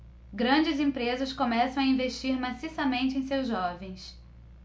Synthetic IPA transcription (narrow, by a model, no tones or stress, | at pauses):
ɡɾɐ̃d͡ʒɪzẽpɾezɐskõmɛsɐ̃w̃aĩveʃt͡ʃiɾmasisɐmẽnt͡ʃɪẽj̃sewzʒɔvẽj̃s